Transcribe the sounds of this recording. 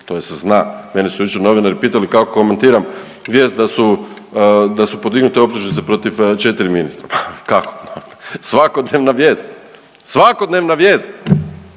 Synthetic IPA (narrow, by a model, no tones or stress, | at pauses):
t̪o̞jeseznaːme̞nisujit͡ʃono̞ʋinaɾipiːt̪alikakoko̞me̞nt̪iːɾam | ʋjeːst̪̚d̪asu | d̪asupo̞d̪iɡnut̪eo̞pt̪uʒnit̪sepɾo̞t̪iʋt͡ʃe̞t̪iɾiminist̪ɾapḁkakonosʋakod̪neːʋnaʋje̞ːst̪ | sʋakod̪neːʋnaʋje̞ːst̪